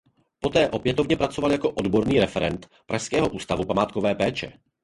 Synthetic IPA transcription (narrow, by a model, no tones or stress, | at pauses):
po̞t̪ɛːʔo̞pjɛt̪ovɲɛpɾat͡so̞valjako̞ʔodbo̞ɾniːɾɛfɛɾɛnt̪ | pɾaskɛːɦo̞ʔuːst̪avupamaːt̪kovɛːpɛːt͡ʃɛ̰